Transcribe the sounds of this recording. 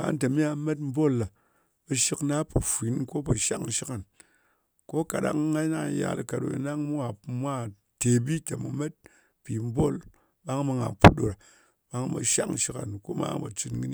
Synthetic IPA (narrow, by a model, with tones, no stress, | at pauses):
a̰˨˦n˦te˨mi˦a˨˦me˦t̬m̩˦bo˦˨la˨ | bə˧ʃi˦kna˦po˨fʷi˨˦nko˦pɐ˨ʃa̰˦k̩˦˨ʃi˦ka˨n | ko˦ka˨ɗa̰˦ŋː˦a˦na˦˨ja̰˨lɨ̰˨ka˨ɗo̰˨ḭ˨na˦ŋmu˦a˨mʷ˦a˦˨ | te˨bi˦kʲe˨mu˨me˦t̚ | pi˨m̩˦bo˦˨l | ɓa˦ŋ˦ma˧ŋa˨pu˦ɗo˨ɾa˨ | ɓa˦ŋ˦ba̰˨ʃa̰˦kʃi˦ka˨nko˦ma̰ː˦bɐ̰˨t͡ʃi˧tŋɨ˦